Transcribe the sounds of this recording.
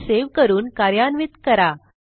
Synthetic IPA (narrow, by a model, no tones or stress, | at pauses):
seʋkəɾuːnkaɾjanʋit̪kəɾa